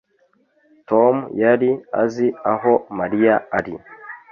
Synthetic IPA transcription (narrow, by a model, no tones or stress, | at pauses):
tomjaɾia̰ziaɦomaɾijaːɾḭ